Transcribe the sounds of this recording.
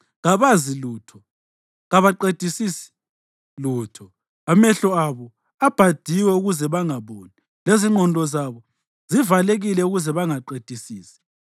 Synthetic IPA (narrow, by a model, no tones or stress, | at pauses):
ɣaβaziluːtʰɔ | ɣaβaǃed̥ʱisisi̥ | luːtʰɔ | amɛɬɔaβɔ | ab̥ʱad̥ʱiwɛuɣuzɛβaŋaβoːni | leziŋ͡ǃʱɔndʱɔzaβɔ | zivaleɣilɛuɣuzɛβaŋaǃed̥ʱisiːsi̥